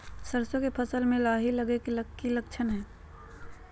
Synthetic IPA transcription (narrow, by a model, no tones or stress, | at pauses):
səɾsõkepʰəsəlmẽlaːɦilɐɡeklilɐk̚t͡ʃʰənɦɛː